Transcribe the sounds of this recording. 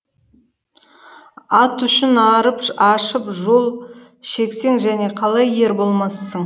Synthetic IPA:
ɑt̪ʏʃɪnɑɾəpɑʃəpʒo̞lˠ | ʃe̞kse̞ŋʒæne̞qʰɑlˠɑje̞ɾbo̞lˠmɑsːəɴ

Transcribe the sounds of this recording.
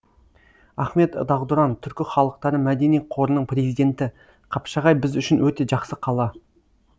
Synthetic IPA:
ɑχme̞t̪d̪ɑʁd̪ʊɾɑnt̪ʰʏɾkʲɪχɑlˠəq̚t̪ɑɾəmæd̪e̞nijqʰo̞ɾənəɴpre̞zijd̪e̞nt̪ɪ | qʰɑpʃɑʁɑjbɪzʏʃɪnwɵt̪e̞ʒɑqsəqʰɑlˠɑ

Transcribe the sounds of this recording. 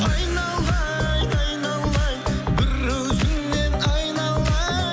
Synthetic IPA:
ɑjnɑlˠɑjɑjnɑlˠːɑjbɪɾːɵwzɪnːenɑjnɑlˠɑ

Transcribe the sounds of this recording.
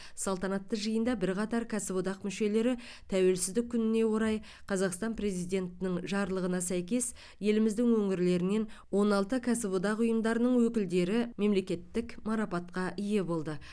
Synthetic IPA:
sɑlˠt̪ɑnɑt̪ːəʒəjənd̪ɑbɪɾqɑt̪ɑɾkʰʲæsɪbud̪ɑqmʏʃe̞le̞ɾɪ | t̪ʰæwe̞lsɪzd̪ɪk̚ʲʰːʏnɪne̞wo̞ɾɑj | qʰɑzɑqst̪ɑnpre̞zijd̪e̞nt̪ɪnɪŋʒɑɾlˠəʁənɑsæjkʲe̞s | je̞lɪmɪzd̪ɪŋwɵŋɪɾle̞ɾɪne̞nwo̞nɑlˠt̪əkʲʰæsɪbud̪ɑqʊjəmd̪ɑɾənəɴwɵkʲɪld̪e̞ɾɪme̞mle̞kʲe̞t̪ːɪkmɑɾɑpɑt̪̚qɑʔije̞bo̞lˠd̪ə

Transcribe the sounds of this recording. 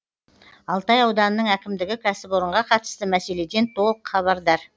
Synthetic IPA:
ɑlˠt̪ɑjɑwd̪ɑnənːəɴækʲɪmd̪ɪɡʲɪkʰʲæsɪpwo̞ɾəɴʁɑqʰɑt̪ə̥st̪əmæse̞le̞d̪e̞nt̪ʰo̞lˠəqχɑβɑɾd̪ɑɾ

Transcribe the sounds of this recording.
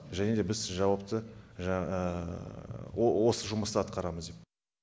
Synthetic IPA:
ʒæne̞d̪e̞bɪzʒɑwɑpt̪əʒ | owo̞səʒʊməst̪əɑt̪̚qɑɾɑməzd̪e̞p̚

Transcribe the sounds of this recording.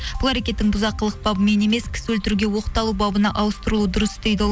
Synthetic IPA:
b̥ʊlˠæɾekʲe̞t̪ːɪŋbʊzɑqːəlˠəq̚bɑbəme̞ne̞me̞skʲʰɪ̥swɵlt̪ɪɾuɡʲe̞wo̞qət̪ɑlˠubɑbənɑʔɑwəst̪əɾəlˠuəd̪ʊɾəsd̪e̞jd̪ɪo

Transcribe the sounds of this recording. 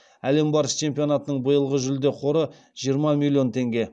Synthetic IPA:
æle̞mbɑɾəst͡ʃʰe̞mpʲijo̞nɑt̪ənəɴbəjəlˠʁəʒʏld̪e̞qʰo̞ɾə | ʒ̥ijəɾmɑmʲilʲːjo̞nt̪ʰe̞ŋɡʲe̞

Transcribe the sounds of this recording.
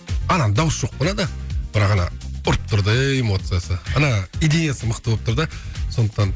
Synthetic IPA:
ɑnɑnd̪ɑwəsʒ̥o̞q̚bolˠɑd̪əb̥ɪɾɑqɑnɑ̰ʊɾəp̚t̪ʰʊɾd̪əemo̞t̪sɨjasəɑnɑid̪ejasəməqt̪əbopt̪ʰʊɾd̪əso̞nd̪əqt̪ɑn

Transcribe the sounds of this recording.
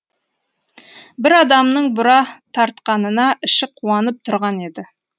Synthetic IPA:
bɪɾɑd̪ɑmnəɴbʊɾɑt̪ʰɑɾt̪qɑnənɑʔɪʃɪqʰːuɑnəp̚t̪ʰʊɾʁɑne̞d̪ɪ

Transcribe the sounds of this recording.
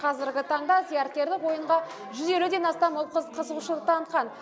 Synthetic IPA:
qʰɑzɪɾɡʲɪt̪ʰɑɴd̪ɑzijɑɾt̪̚kʲe̞ɾd̪ɪkwo̞jəɴʁɑ | ʒʏze̞lud̪e̞nɑst̪ɑməlˠqqʰəzəʁuʃəlˠəq̚t̪ʰɑnət̪̚qɑn

